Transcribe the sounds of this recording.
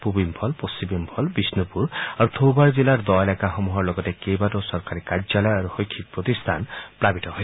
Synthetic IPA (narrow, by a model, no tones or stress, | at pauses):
pubimpʰɔlposimimpʰɔlbisnupuɾaɾut̪ʰowbaɹzilaɾd̪ɔelakaxɔmuɦɔɾlɔɡɔtekejbatɔsɔɾkaɾikaɾd͡ʒalɔjaɾuxojkʰːik̚pɾɔt̪ist̪ʰa̰npɾabitɔɦoj